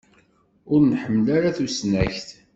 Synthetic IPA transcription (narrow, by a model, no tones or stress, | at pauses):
ʊɾnħəmːəlaɾaθusnæçθ